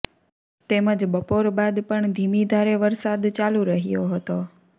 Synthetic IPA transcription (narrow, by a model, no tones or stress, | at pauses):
t̪eməd͡ʒbəpoɾbad̪pəɳd̪ʱimid̪ʱaɾeʋəɾsad̪t͡ʃaluɾəɦijoɦət̪o